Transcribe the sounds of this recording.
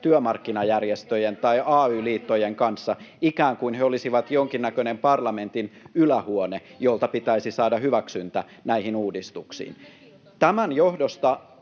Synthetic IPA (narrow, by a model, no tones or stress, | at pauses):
t̪yømɑrkːinɑjærjest̪øjent̪ɑiʔɑːyːliːt̪ːojeŋkɑnsːɑikæːŋkuinheolisiʋɑt̪joŋkinːækønempɑrlɑment̪inylæhuonejolt̪ɑpit̪æisisɑːdɑhyʋæksynt̪æ | næihinuːdist̪uksḭːn | t̪æmænjohdost̪ɑ